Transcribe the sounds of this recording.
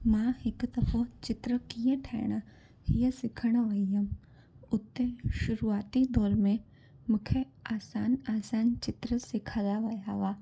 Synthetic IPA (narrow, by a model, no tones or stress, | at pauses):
mãːhɪkd̪ɐfʰət͡ʃɪt̪ɾəkiẽʈʰɛ̰ːɽ̃ə | ɦijəsɪkʰəɽ̃ʋɐijəm | ʊt̪ːeʃʊɾuaːt̪id̪ɔːɾmẽ | mʊkʰe | aːsaːnaːsaːnt͡ʃɪt̪ɾəsɪkʰalaʋɐjaʋaː